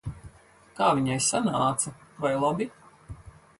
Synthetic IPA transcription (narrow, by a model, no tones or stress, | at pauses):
kaːviɲajsanaːt̪sɐvajlˠabi